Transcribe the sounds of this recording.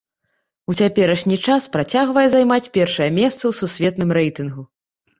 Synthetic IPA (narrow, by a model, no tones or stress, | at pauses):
ut͡sʲapʲɛɾɐʂnʲit͡ʂaspɾat͡sʲaɣvɐjɛzajmat͡sʲpʲɛrʂɐjɐmʲɛst̪sɐwsusʲvʲɛt̪nɨmɾɛjt̪ɨnɣu